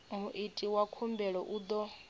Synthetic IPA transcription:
muʔitʼiwakʰumbɛɺɔʔud̪ɔ

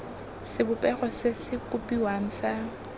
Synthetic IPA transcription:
sɪbʊpʼɛχɔsɪsɪkʊpʼiwaŋ̩sa

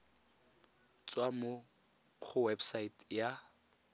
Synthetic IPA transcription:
t͡sʼwamo | k͡xʰʊwɛbsaitja

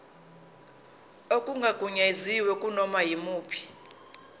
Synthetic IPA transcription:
okʼuŋɡʱaɡ̥ʱuɲeziwɛkʼunɔmajimuːpʰi̥

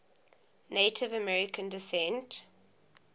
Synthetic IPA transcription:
neɪtʰɪvəmɛɹɪkʰə̃ndɪsɛ̃nt

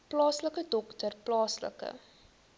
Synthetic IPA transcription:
plɑːsləkədɔktərplɑːslə̰kə̰

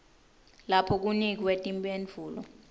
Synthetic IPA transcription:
lapʰɔk̬unik̬iwetʼimpʼend͡vʱuːlɔ̰

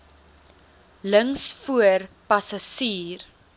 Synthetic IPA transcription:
ləŋsfuərpɐsɐsiːr

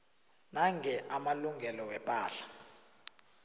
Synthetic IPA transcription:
naŋʱɛʔamaluŋɡɛlɔwɛpʼaːɬḁ

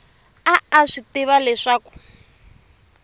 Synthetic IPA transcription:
aːʂitiβalɛʂaːku̥

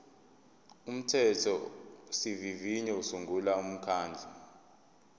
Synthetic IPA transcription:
um̩tʰɛtʰɔsiviviɲɛusuŋɡʱulaum̩kʰaːnd͡ɮʱa

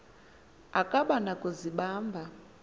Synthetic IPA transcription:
akʼaɓanakʼuziɓaːmbʱa

